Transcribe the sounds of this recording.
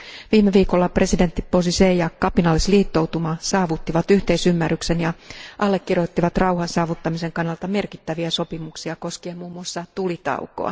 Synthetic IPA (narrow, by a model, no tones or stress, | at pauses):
ʋiːmeʋiːkolːɑpre̞side̞nt̪ːiposisejɑkɑpinɑlːisliːt̪ːo̞wt̪umɑsɑːʋut̪ːiʋɑt̪yht̪eisymːæryksenjɑʔɑlːekːirjo̞t̪ːiʋɑt̪rɑuhɑnsɑːʋut̪ːɑmise̞ŋkɑnːɑlt̪ɑme̞rkit̪ːæʋiæso̞pimuksiɑko̞skiemmuːmːuɑsːɑt̪ulit̪ɑ̰uko̰ɑ̰